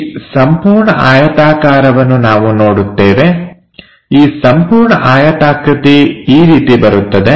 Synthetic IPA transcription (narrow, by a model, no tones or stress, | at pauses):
sɐmpuːɾɳɐʔaːjɐt̪aːkaːɾɐʋɐnːunaːʋuno̞ːɽut̪ːeːʋe̞ | iːsɐmpuːɾɳɐʔaːjɐt̪aːkɾɐt̪iiːɾiːt̪ibɐɾut̪ːɐd̪e̞